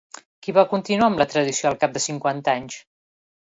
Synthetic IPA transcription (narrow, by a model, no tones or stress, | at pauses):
kiβakunt̪inuaəmlət̪ɾəðisioəlˠkap̚d̪əsiŋkwant̪aɲs